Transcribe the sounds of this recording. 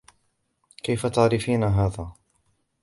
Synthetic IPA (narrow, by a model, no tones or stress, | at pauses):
kajfat̪aʕɾɪfiːnaɦaːðaː